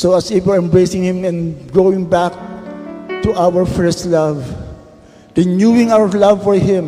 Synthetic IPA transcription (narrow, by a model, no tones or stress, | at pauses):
soɐsɪfwɛɹɛ̃mbɹejsɪ̃ŋhɪ̃mɛ̃nɡoɪ̃ŋbæk̚ | t̪uʔawəɹfɛstlav | ɹɪnjuwɪ̃ŋawəɹlavfɔɹɦɪ̃m